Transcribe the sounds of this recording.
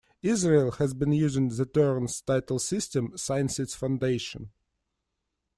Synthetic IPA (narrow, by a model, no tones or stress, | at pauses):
ɪzɹelˠhæzbɨ̃njʉzɪ̃ŋðətɜɹnstaɪtl̩ˠsɪstɨ̃msaɪɨ̃nsɪtsfãʊ̃ndeɪʃə̰̃n